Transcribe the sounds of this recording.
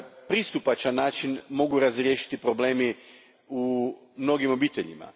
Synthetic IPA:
pɾist̪upat͡ʃanːaːt͡ʃinmo̞ɡuɾazɾʲje̞ːʃi̥t̪ipɾo̞ble̞ːmi | u | mno̞ɡimo̞biːt̪eʎḭma̰

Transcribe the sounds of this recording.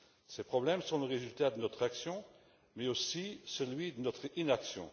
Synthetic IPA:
sepχɔblɛmsɔ̃ləʁezylt̪ad̪ənɔt̪χaksjɔ̃ | mɛosisəlɥid̪ənɔt̪χinaksjɔ̰̃

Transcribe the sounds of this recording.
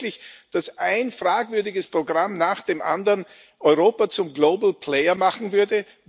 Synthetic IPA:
lɪçd̥asʔaɪnfʁ̥aːkvʏɐdɪɡəspʁ̥oɡʁamnaːχd̥eːmʔa̰ndɐn | ʔɔʏʁoːpat͡sʊmɡloːbl̩pʰleɪɐmaχn̩vʏɐdə

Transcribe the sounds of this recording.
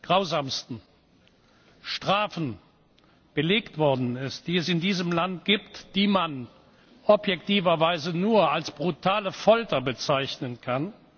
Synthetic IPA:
ɡ̥ʁaʊzaːmstn̩ | ʃtʁ̥aːfn̩ | b̥əleːktv̥ɔɐdn̩ɪst̚d̥iːɛsɪndiːzəmlant̚ɡ̥iːptd̥iːman | ʔɔpjɛktiːvɐvaɪzənuːɐalsb̥ʁutʰaːləfɔltɐbət͡saɪçnənkʰan

